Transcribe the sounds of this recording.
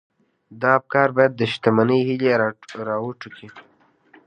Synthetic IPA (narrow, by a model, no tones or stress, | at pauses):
d̪ɑp̚kɑɾbɑjad̪ːəʃt̪amanəjhileɾɑwuʈukʰi